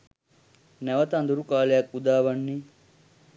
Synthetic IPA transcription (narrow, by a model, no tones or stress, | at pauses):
nɐʋɐt̪and̪uɾukaːlejɐkud̪aːʋɐɳːi